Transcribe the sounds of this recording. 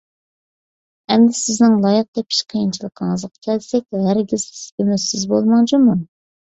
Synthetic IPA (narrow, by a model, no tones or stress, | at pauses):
ɛmd̪ɪsɪznɪŋlˠɑjəq̚d̪ɛpʰi̥ʃqʰəjint͡ʃʰilˠəqʰːəŋəzqʰɑ̥kʲʰɛlsɛk̚ʲɦæɾɡʲiz̥sbemɛsɪzbolˠmɑŋd͡ʒumu